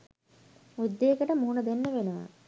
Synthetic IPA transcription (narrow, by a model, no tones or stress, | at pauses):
ud̪ːekəʈəmuunəd̪enːəʋenəʋa̰